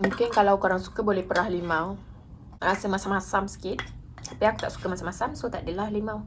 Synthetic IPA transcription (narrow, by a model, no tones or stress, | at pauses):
mũŋkɪnkalawkoɾaŋsu̥kəbolɛhpəɾahlimãw | ɾasəmasamasamsə̥kit̪̚ | apiaku̥t̪aʔsu̥kəmasamasamsot̪aʔdəlahlimãw